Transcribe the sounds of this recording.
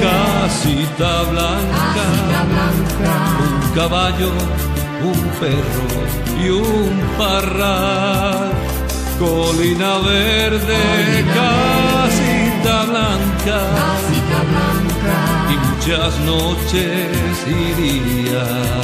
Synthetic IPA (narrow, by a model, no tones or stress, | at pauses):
kasit̪aβlaŋkaβlaŋkauŋkaβaʎo | umpero̰ | ium | par | a | ɾ | kolinaβeɾðekasit̪aβlaŋka | sit̪aβlaŋka | imut͡ʃasnot͡ʃe̞ | si | ði | a